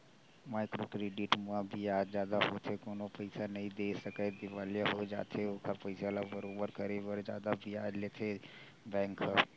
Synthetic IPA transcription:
maːɪkɾoːkɾeːɖɪʈmʊãbʱiaːd͡ʒzjaːd̪aɦot̪ʰekoːnopəɪsanɐɦĩd̪eːsəked̪ɪʋaːljaɦod͡ʒa̰ːt̪ʰeʊkʰapəɪsalabəɾoːbəɾkɐɾeʋəɾd͡ʒjaːd̪abʱiaːd͡ʒleːt̪ʰe | bɛ̃ːŋkʰa

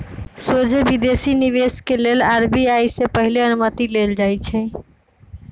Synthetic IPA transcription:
sod͡ʒʱebid̪esiniβeskelelaɾbiajsepəɦileənumət̪ileld͡ʒajt͡ʃʰɛ

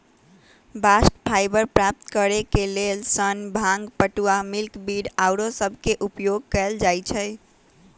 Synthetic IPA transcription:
basʈpʰajbəɾpɾap̚t̪kəɾekelelsənbʱãŋɡpəʈuwamilkbiɽaʊɾosəbʱkeʔupjoɡ̚kəld͡ʒajt͡ʃʰɛ

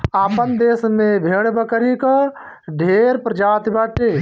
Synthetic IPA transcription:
aːpənd̪eːsmẽbʱeːɽbəkəɾikə | ɖʱeɾpɾəd͡ʒaːt̪baːʈeː

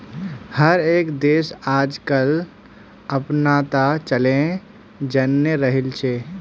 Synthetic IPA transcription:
həɾeːkd̪eːsaːd͡ʒkəl | əpnat̪at͡ʃəlẽ | d͡ʒənːəɾəɦɪlt͡ʃʰe

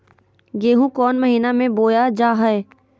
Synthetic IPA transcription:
ɡeːɦũkɔːnmɐɦiːnamẽboːjad͡ʒaːɦɛe

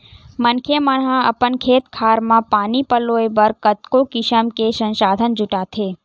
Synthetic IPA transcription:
mənkʰeməɽɦãə̰pənkʰeːt̪kʰaːɾmãpaːnipəloebəɾkət̪kokɪʃəmkesə̃nʃaːd̪ʱənd͡ʒuʈat̪ʰe

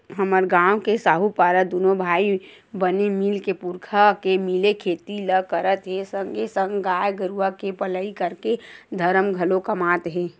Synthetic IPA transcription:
ɦəməɾɡãːwkesaːɦupaːɾəd̪unobʱaːi | bənemɪlkepuɾkʰakemɪlekʰeːt̪iləkəɾət̪ɦɛsəŋɡesə̃ŋɡɡaːjɡəɾuakepələikəɾked̪ʱəɾəmɡʱəlokəmaːt̪ɦɛ̃ː

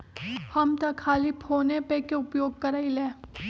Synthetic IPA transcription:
hɐmt̪ɐkʰːaːlipʰoːnepekeʊpjoːɡ̚kɐɾaːileː

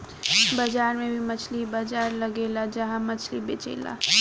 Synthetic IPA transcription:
bəd͡ʒaɾmẽbʱimət͡ʃʰlibəd͡ʒaɾləɡelad͡ʒəɦãmət͡ʃʰlibet͡ʃḛːla̰

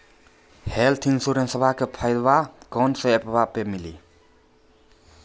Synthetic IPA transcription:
heltʰiŋsuɾensabʱakʰepʰajɾbakɔnsɔepʰabapemili

